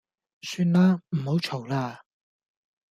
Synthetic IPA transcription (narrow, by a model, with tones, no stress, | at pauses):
syː˧nlaː˥m̩˨˩ho˨˥wt͡ʃʰo˨˩wlaː˧